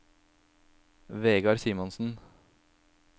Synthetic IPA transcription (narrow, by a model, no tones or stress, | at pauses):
ʋeːɡɑɾsiːmɔnsn̩